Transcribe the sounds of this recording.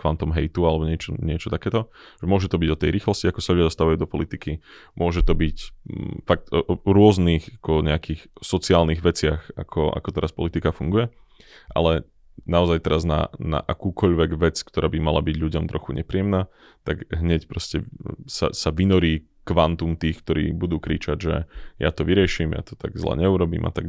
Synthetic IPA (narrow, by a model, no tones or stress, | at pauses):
kʋant̪ɔmɦɛjt̪ualɛbɔɲɪɛt͡ʃɔɲɪɛt͡ʃɔt̪akɛːt̪ɔʒ̥ɛmʊɔʒɛt̪ɔbiɟɔt̪ɛjɾiːxlɔsciakɔsaʎʊɟad̪ɔst̪aʋajud̪ɔpɔlit̪ikimʔʊɔʒɛt̪ɔbicfak̚t̪ɾʊɔzniɣakɔɲɛakiːxsɔt͡siaːlniɣʋɛt͡sɪaxa̰kʰɔʔa̰kɔt̪ɛɾaspɔlit̪ikafuŋɡujɛ | ʔa̰lɛ | naɔzajt̪ɛɾazna̰na̰ʔakuːkʰɔʎʋɛɡʋɛt͡skt̪ɔɾʔaːbimala̰biɟlʎuɟɔmt̪ɾɔxuɲʔɛpɾiɪɛmnaː | t̪aɡɦɲɛcpɾɔscɛsa̰saʋinɔɾiː | kʋant̪umt̪iːxk̚t̪ɔɾḭːbud̪uːkɾḭːt͡ʃaɟʒɛ̰ja̰t̪ɔʋiɾɪɛʃimja̰t̪ɔ̥t̪aɡzla̰ɲɛuɾɔbḭːmʔa̰t̪aɡ